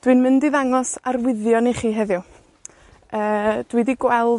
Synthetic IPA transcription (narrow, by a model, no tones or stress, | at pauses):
d̥wɨnmɪndiðaŋɔsarwɪðjɔniχiːɦɛðjʊ | əːd̥widiɡwɛlˠ